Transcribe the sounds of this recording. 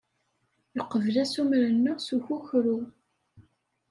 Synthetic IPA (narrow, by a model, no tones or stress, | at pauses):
jəqːəvəlæsumɾənːʊʁsuçuçɾu